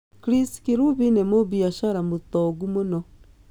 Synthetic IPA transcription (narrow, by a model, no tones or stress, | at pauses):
kɾiskiɾuβinemoβiaʃaɾamot̪ɔɣumonɔ